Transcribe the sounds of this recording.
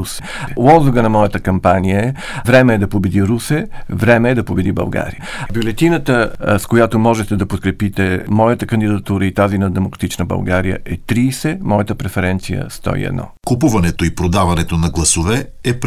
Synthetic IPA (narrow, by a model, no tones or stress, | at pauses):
usɛ | lˠɔzʊɡənɐmɔjət̪əkɐmpanijəɛ | vɾɛmɛːd̪ɐpobɛd̪iɾusɛvɾɛmɛːd̪ɐpobɛd̪ibɐ̰lˠɡa̰ɾḭjəbjolɛt̪inət̪əskojat̪omɔʒɛt̪ɛd̪ɐpot̪̚kɾɛpit̪ɛmɔjət̪əkɐnd̪id̪ɐt̪uɾəit̪azinəd̪ɛmokɾɐ̥t̪it͡ʃnəbɐ̰lˠɡaɾijə̰ɛt̪ɾiːsɛmɔjət̪əpɾɛfɛɾɛnt̪sijə̰st̪ɔ̰ḭɛ̰d̪nɔ̰kopuvɐnɛt̪oipɾod̪avɐnɛt̪onɐɡlˠɐsovɛɛp